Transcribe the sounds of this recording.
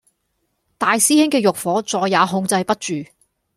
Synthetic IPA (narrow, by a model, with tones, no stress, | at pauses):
t̪aː˨jsiː˥hɪ˥ŋkɛː˧jʊ˨k̚fɔː˨˥t͡sɔː˧jːaː˨˧ɦʊ˧ŋt͡sɐ˧jpɐ˥t̚t͡ʃyː˨˩